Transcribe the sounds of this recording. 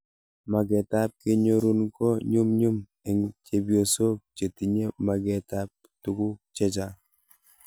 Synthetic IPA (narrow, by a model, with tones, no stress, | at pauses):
ma˨ɡɛ˨ta˦p̚kɪ˦ɲo˦ɾu˦nko˦ɲu˦mɲu˦m | e˨ŋt͡ʃe˦bjo˨so˦k̚t͡ʃe˨ti˨ɲe˦ma˨ɡɛ˨ta˦p̚ | tu˦ɡʊ˦t͡ʃɛ˦t͡ʃa˦